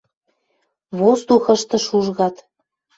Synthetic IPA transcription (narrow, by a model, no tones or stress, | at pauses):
βost̪uxə̆ʃt̪ɤ̆ʃuʒɣɑt̪